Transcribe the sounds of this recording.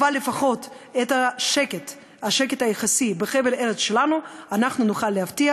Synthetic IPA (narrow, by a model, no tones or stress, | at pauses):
valːefaχo̞t̪et̪aʃeket̪ | aʃekethajeχasibeχeveleɾet͡sʃelanuanaχnunuχalːeɦaft̪ia